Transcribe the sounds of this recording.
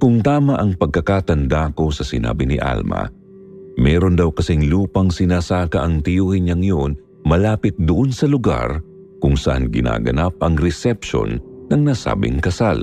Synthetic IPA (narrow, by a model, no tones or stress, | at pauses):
kʊŋt̪aːmɐʔɐŋpɐɡ̚kɐkaːt̪ɐnd̪ako̞sɐsɪna̰ːbɪnɪʔa̰lmɐ̰ | mɛːɾo̞nd̪ɐwkɐsɛŋluːpɐŋsɪnaːsaːkɐʔɐŋt̪ɪjuːhɪnɲaŋjon | mɐlaːpɪt̪̚d̪ʊʔo̞nsɐlʊɡa̰ɾ | kʊŋsɐʔa̰nɡɪna̰ːɡɐ̰nap̚ʔɐŋɾɛsɛpʃo̞̰nːɐŋnaːsa̰ːbɪ̰ŋkɐsal